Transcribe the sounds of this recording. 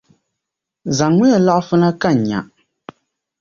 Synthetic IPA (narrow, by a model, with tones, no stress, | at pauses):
za˨ŋmɛ˦a˨la˦ʔfɨ˦na˦ka˦˨n˨ɲa̰˨ʔ